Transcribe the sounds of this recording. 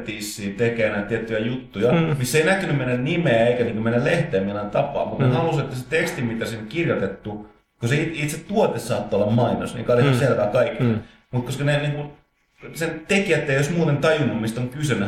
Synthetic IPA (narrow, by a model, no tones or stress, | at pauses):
t̪iːsːiːt̪ekenæt̪iet̪ːyjæjut̪ːujɑmisːeinækːynymmenːænimeeikæniːŋkumenːæleht̪eːminɑnt̪ɑpɑ̰ːmut̪nehɑluset̪ːæset̪ekst̪imit̪æsinokirjot̪et̪ːu | koseitit̪set̪t̪uot̪essɑːt̪ːoolːɑmmɑino̰snḭŋkɑleselkɑkɑikːi | mut̪̚koskɑneniːŋkun | sent̪ekiæt̪ːeijjosmuːt̪ent̪ɑjunːummist̪oŋkysønːæ